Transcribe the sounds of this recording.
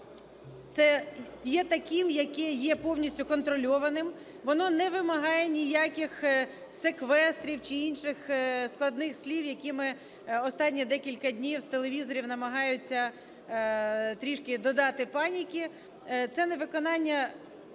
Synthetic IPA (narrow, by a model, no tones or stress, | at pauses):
t̪sɛjɛt̪ɐkʲɪmjɐkɛjɛpɔwnʲisʲtʲʊkɔnt̪ɾɔlʲɔʋɐnɪm | ʋɔnɔnɛʋɪmɐɦɑjɛnʲijakʲɪx | sekʋɛst̪ɾʲiwt͡ʃɪinʃɪxsklˠɐd̪nɪxsʲlʲiwjɐkʲimɪ | ɔst̪ɑnʲːid̪ɛkʲilʲkɐd̪ʲnʲiwst̪elˠeʋʲizɔɾʲiwnɐmɐɦɑjʊt͡sʲːɐ | t̪ɾʲiʃkɪd̪ɔd̪ɑt̪ɪpɑnʲikʲɪ | t̪sɛnɛʋɪkɔnɑnʲːɐ